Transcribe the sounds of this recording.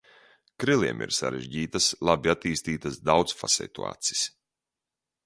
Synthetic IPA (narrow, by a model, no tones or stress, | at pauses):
kɾilˠiɛmʔḭɾsa̰ɾɛʒɟiːt̪aslˠabiat̪iːst̪iːt̪asd̪awt̪sfasɛ̰t̪ṵa̰ːt̪si̥s